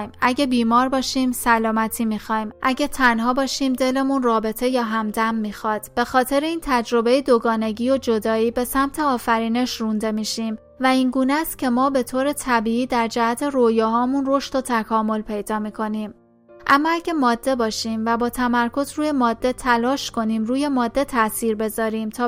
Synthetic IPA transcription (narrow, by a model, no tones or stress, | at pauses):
mʔæɟebiːmɒːɾbɒːʃiːmsælɒːmæt̪ʰiːmixɒːimʔæɟet̪ʰænɦɒːbɒːʃiːmd̪e̞le̞munrɒːbe̞t̪ʰe̞jɒːɦæmd̪æmːiːxɒːd̪̥b̥e̞xɒːt̪ʰe̞ɾeiːnt̪ʰæd͡ʒɾo̞be̞jed̪oɡɒːne̞ɟiːo̞d͡ʒo̞d̪ɒːiːbe̞sæmt̪ʰeɒːfæɾiːne̞ʃrund̪e̞miːʃiːm | væiːŋɡuːnæst̪̚cʲʰe̞mɒːbe̞t̪ʰoːɾe̞t̪ʰæbiːiːd̪æɾd͡ʒææt̪ʰe̞rojɒːɦɒːmunro̞ʃt̪o̞t̪ʰækʰɒːmo̞lpʰe̞jd̪ɒːmiːkʰo̞niːm | ʔæmːɒːæɟemɒːd̪̥ːe̞bɒːʃiːmvæbɒːt̪ʰæmæɾkʰo̞zruːje̞mɒːd̪ːe̞t̪ʰælɒːʃkʰo̞niːmruːje̞mɒːd̪ːe̞t̪ʰæsiːɾbe̞zɒːɾiːmt̪ʰɒː